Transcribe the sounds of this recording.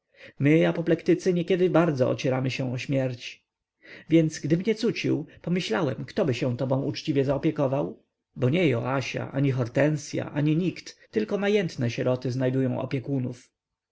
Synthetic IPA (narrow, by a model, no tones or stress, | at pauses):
mɘapɔplɛkt̪ɘt̪sɘɲɛkʲɛd̪ɘbaɾd̪zɔɔ̰t͡ɕɛɾamɘɕɛ̃ɔɕmʲjɛɾt͡ɕ | vʲjɛnt̪sɡd̪ɘmɲɛt̪sut͡ɕḭwpɔmɘɕlawɛmkt̪ɔbɘɕɛ̃t̪ɔbɔ̃w̃ut͡ʂt͡ɕivʲjɛzaɔpʲjɛkɔvaw | bɔɲɛjɔ̰aɕa̰ʔa̰ɲixɔɾt̪ɛnsʲja̰ʔaɲiɲikt̪ːɘlkɔmajɛnt̪nɛɕɛɾɔt̪ɘznajd̪ujɔ̃w̃ʔɔ̰pʲjɛkunuf